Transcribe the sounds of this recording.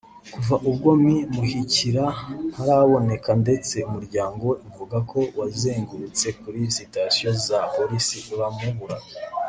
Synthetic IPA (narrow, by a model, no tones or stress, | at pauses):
kuvaʔubɡo̞mimuhiciɾahaɾaβo̞ne̞kande̞t͡se̞umuɾɟaːŋɡo̞iɱvuɡakʰo̞wazeːŋɡuɾut͡se̞kuɾisitasijozapoɾisikuɾamuβuɾa